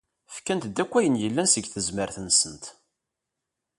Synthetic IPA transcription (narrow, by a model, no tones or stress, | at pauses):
fkænt̪d̪ækʷːæjənjəlːænsəɡθəzməɾθənsənt̪